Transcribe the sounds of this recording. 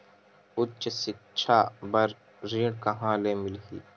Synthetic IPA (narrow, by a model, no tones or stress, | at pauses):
ʊt͡ʃsɪtːt͡ʃʰaːbɐɾ | ɾiːɽkaɦãːlemɪlɦḭː